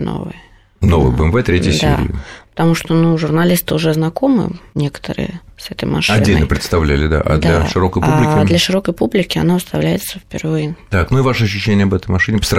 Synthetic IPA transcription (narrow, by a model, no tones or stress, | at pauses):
no̰vɨ̰jə | no̞vɨ̰jbəɛmvɛt̪ɾʲetʲɪədʲsaḛɾɪ̰pə̥t̪ɐmuʂt̪onuʐʊrnɐlʲist̪ɨʊʐɛznɐko̞mɨ̰nʲe̞kə̥t̪ə̰ɾɨ̰jəsɛt̪ə̰jmʔɐ̰ʂɨɐdnʲːelʲnəpɾʲɪt̪st̪ɐvlʲælʲɪd̪a̰ʔa̰d̪laʂɨɾo̞kəjpublʲɪkʲɪlʲəʂɨɾo̞kəjpublʲɪkʲɪɐ̰naʊst̪ɐvlʲæjɪt̪səfpʲɪ̰rvɨjət̪aknuivaʂəɐɕ̬ːʉɕːenʲɪəɐbɛt̪əjmɐʂɨnʲɪpəsɾ